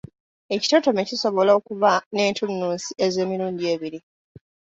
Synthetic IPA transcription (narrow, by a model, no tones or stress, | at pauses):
e̞ci̥to̞to̞me̞ciso̞βo̞laokuvane̞ːntunːuːnsie̞ze̞ːmiɾuːɲɟie̞ːβiɾi